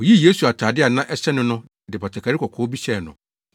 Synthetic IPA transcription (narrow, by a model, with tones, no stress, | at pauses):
ɔ˨ji˦˨je˦su˨a˨tʰaː˨dɪ˦a˨nã˦ʔɛ˦ɕɛ˦nɪ̃˦nʊ̃˦ | dɪ˨ba˨tʰa˨kʰa˨ɾɪ˦kʰɔ˨kʰɔː˨˦bi˦ɕɛ˨nʊ̰̃˨